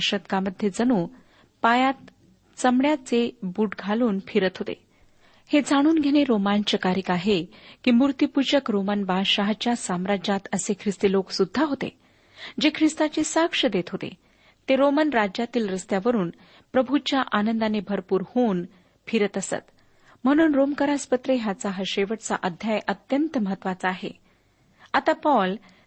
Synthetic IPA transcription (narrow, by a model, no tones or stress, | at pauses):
ʂət̪̚kaməd̪ʱjed͡zənuː | pajat̪ | t͡səmɭjat͡sebuʈɡʱaluːnfʰiɾət̪ɦot̪ḛ | hed͡zaɽ̃uːnɡʱeɽ̃eɾomant͡ɕəkaɾikaɦekiːmuɾt̪ipud͡ʑəkɾomənbaɕaɦd͡ʑt͡ɕjasamɾad͡ʑat̪əsekʰɾist̪eloksud̪ʱːaɦot̪ḛ | d͡ʑekʰɾist̪at͡ɕesakʂəd̪et̪ʰɦot̪ḛ | t̪eɾomənɾad͡ʑat̪iːlɾəst̪jaʋəɾuːn | pɾəbʱut͡ɕjaʔanənd̪anebʱəɾpuːɾhoːn | fʰiɾət̪əsə̰t̪ | m̤əɽ̃uːnɾomkəɾaspət̪ɾeɦjat͡saɦəɕeʋəʈt͡sa̰ʔəd̪ʱjajʔət̪jənt̪məɦət̪ʋat͡saːɦḛ | at̪apɔl